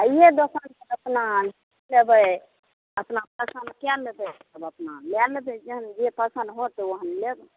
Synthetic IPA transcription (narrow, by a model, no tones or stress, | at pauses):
ajed̪osansəbəpnal | lebəj | əpnapəsənkɛlːed̪ɛsəbəpnalɛlet̪ɛd͡ʒəɦənd͡ʒepəsənd̪ɦot̪ɛoɦənlebə